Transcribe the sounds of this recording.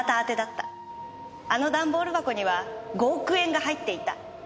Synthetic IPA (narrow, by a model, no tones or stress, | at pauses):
t̪aːt̪e̞d̪at̪ːa | ano̞d̪ãmbo̞ːɾɯ̟bako̞ɲ̟iβaɡo̞ːkɯ̟ẽ̞ŋɡahait̪ːe̞it̪a̰